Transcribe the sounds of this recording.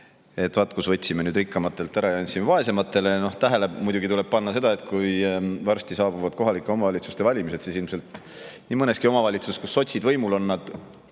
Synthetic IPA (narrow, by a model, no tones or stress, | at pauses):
e̞t̪ːˑvɑt̪ːˑkusvɤt̪ʲsimenyːd̪rikːɑmɑt̪ˑːe̞lt̪ːæɾɑjɑɑnʲt̪ʲsimevɑe̞se̞mɑt̪ːˑe̞le̞no̞ht̪æɦelemujd̪uɡit̪ule̞b̥̚pɑnːɑse̞d̪̥ɑe̞t̪̚ˑkujvɑrst̪isɑːbuvɑd̪̚ko̞ɦɑlikːˑeo̞mɑvɑlʲit̪su̥st̪e̞vɑlʲimise̞t̪sisilmse̞lt̪ | niːmɤne̞skio̞mɑvɑlʲit̪susekusːo̞t̪ʲsid̪vɤjmulo̞nːɑd̪̥